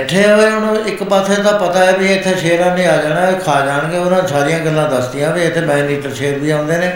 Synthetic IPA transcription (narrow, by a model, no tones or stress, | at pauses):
ʈʰeːɦoeɦʊnũɪkpat̪ʰeːt̪ãːpət̪aːɛːbiːeɪt̪ʰːeːʃeːɾãːnĩːaːd͡ʒaːɽ̃aːikʰaːd͡ʒaːɳɡeːʊnãːsaːɾijãːɡəlːãːd̪əsd̪ɪjãːbiːet̪ʰːeːmɛ̃ːniːʈəɾʃeːɾbiːãːʊ̃nd̪eːneː